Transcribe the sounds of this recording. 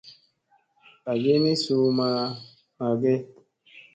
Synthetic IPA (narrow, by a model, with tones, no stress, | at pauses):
a˨ɡe˦ni˦su˨ma˨ | ma˨ɡe˦